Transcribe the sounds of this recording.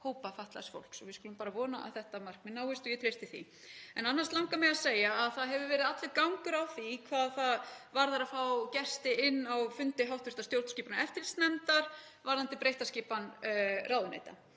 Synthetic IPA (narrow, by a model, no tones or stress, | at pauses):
hoːwpafaht̪la̰sfo̰wl̥ksɔvɪskuːlʏmpaːɾavɔːnaʔa̰ðθɛht̪amar̥k̚mɪnːawhʏst̪ɔjɛt̪ʰɾejst̪ɪθḭ | ɛnanːast̪awŋkamɛðaðseːjaːðθaðɦɛvʏvɛːɾɪðat̪lɛkawŋkʏɾawθikʰvaːðθaðvaɾðaɾafawcɛst̪ɪɪnːawfʏnt̪ɪɦawht̪vʏ̥r̥t̪ast̪jowɾt̪sciːpanaɛft̪ɪlst̪nɛmt̪aɾ̥ | vaɾðant̪ɪpɾejht̪asciːpanraːwðʏnḛːjt̪a̰